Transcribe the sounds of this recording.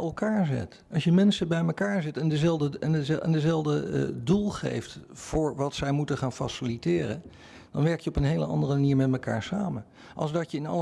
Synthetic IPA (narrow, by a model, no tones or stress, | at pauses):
ɛlˠkaːɹzɪ̰t | ɑlsjəmɛnsəbɛjməkaːɹzɪtɛndəzɛlˠdəɛnɛɛndəzɛlˠdədulˠχḛjft | v̥ʊːɹʋɑtsɛjmutəχaːnfasɪlitɪːrən | d̥ɑnʋɛɹkjəɔpənɦejləʔɑ̰ndərəmaniːɹmɛt̚məka̰ːɹsaːmən | ʔɑ̰lˠzdɑtəɪnɑ̰l